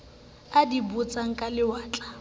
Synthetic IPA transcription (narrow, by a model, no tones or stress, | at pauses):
adibut͡sʼaŋ̩kʼalɪwaːt͡ɬʼa